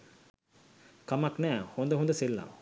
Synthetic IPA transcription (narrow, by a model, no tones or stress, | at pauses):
kamaknæːhond̪əɦund̪əselːa̰m